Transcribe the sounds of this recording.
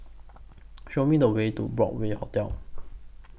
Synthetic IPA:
ʃoʊmĩd̪əwetṵbɹɔ̰k̚weaʊt̪jaʊ

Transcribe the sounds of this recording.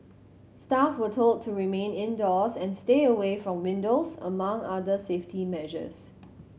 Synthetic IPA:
stafwətʰold̚tʰuɹimẽnɪ̃ndɔsɛ̃nsteəwefɹɔ̃mwɪ̃ndosə̰mãŋadəseftʰimɛʒə̰s

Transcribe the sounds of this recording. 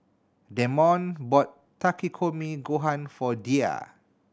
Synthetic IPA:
dɛmɔ̃nbɔtː | akikʰomiɡoɦãnfɔdia̰

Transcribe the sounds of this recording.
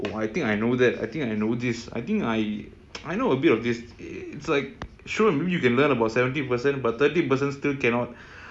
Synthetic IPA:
ʔo̰ajt̪ĩŋkajnod̪ɛta̰jt̪ĩŋkajnod̪isa̰jt̪ĩŋkaj | ajnoəbitɔfd̪isɪtslaɪk̚ | ʃɔə̃nmebijukɛ̃nlənəbawtsɛvə̃nt̬ipəsɛ̃n̚bat̚t̪ətipəs̬ɛ̃ntstilkɛ̃nɔt̚

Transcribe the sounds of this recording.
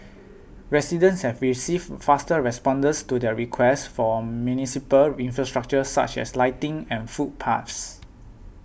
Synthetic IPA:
ɹɛsidə̃nshɛvɹisiffastəɹɛspɔ̃ndə̃nstudɛɹikʰwɛstfɔmjunisipəlĩnfɹastɹak̚t͡ʃəsa̰t͡ʃɛ̰slaɪtĩŋɛ̃nfut̚pʰa̰fs

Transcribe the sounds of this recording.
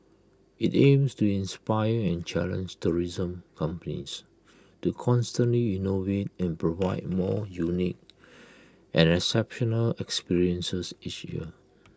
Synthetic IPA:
itẽmstuĩnspajəɛ̃nt͡ʃɛ̰lə̰̃nd͡ʒtuɹizə̃mkʰãmpənḭs | tukʰɔ̃nstə̃nliinovet̚ɛ̃npɹovaɪd̚mɔjunik̚ | ʔɛ̰̃nɛsɛpʃɔnəlɛkspiɹiə̃nsəsit͡ʃjḭə

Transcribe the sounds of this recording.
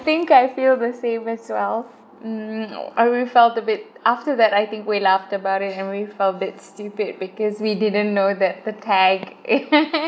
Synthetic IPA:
θɪ̃ŋkaɪfilˠðəsẽmɨzwɛlˠf̩ | a̰wifɛlˠtəbɪt̚ʔaftəðæɾaɪθɪ̃ŋkwilaftəbaʊɾɪtɨ̃nwifɛlˠtəbɪtstʉpɪd̚bɨkɔzwidɪdⁿə̃nnːoʊðɨt̪̚ðətʰɛɡ

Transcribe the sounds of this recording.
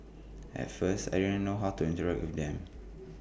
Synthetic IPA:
ʔɛ̰tfəsta̰jdõnə̃noɦawtuĩntəɹak̚wifdɛ̃m

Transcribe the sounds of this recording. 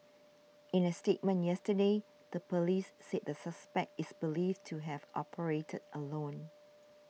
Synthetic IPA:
ɪ̃nəstet̚mə̃njɛstəde | ð̥əpʰəlissɛt̚dəsəspɛk̚tɪsbilivtʰuɦɛvʔɔ̰pʰəɹetʰədəlõn

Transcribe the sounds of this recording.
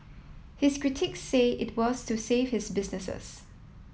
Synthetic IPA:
hɪskɹɪtʰɪksːeɪʔɪt̚ʰwɔstʰuseːv̥hɪsbɪsnɪsə̰s

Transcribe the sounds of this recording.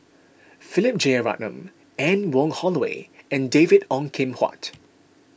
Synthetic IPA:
fɪlɪp̚d͡ʒeɹa̰ʔnə̰̃m | ɛ̃nwɔ̃ŋhɔləwḛɛ̃ndevidɔ̃ŋkʰɪ̃mha̰t

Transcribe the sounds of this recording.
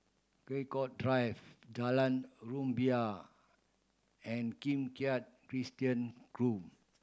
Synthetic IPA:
kɹekɔt̚dɹajvdalãnɹũmbia | ɛ̃nkĩmkiat̚kɹistiə̃nkɹup

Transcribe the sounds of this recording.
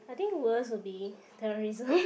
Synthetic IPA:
ajt̪ɪ̃ŋkwəswɪlbi | tɛɹɔɹizə̃m

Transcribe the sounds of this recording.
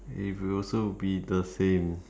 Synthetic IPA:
ḭtwiɔlsobidəsẽm

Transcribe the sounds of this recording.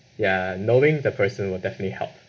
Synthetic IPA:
janoʊɪ̃ŋdəpʰɜsə̃nwɪlˠdɛfənətlihɛ̰lˠp̚

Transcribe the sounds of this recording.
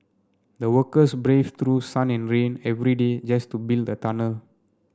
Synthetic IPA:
dəwəkəsbɹeft̪ɾusãnɛ̃nɹẽnɛvɾided͡ʒastubilddətanə

